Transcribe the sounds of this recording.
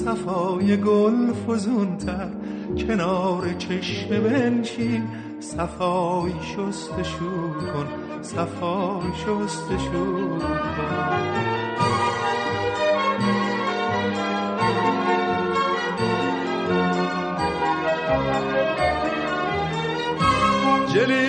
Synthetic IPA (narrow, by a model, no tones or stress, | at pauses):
sæfɒːjeɡolfozunt̪ʰæɾkʰe̞nɒːɾet͡ʃʰeʃmebenʃiːn | sæfɒːʃost̪eʃuːkʰon | sæfɒːjʃost̪eʃuːkʰon | oʃ | d͡ʒeli